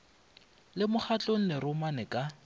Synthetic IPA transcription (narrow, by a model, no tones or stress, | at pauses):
lɪmʊχat͡ɬʼoŋ̩nɪɾʊmanɪkʼa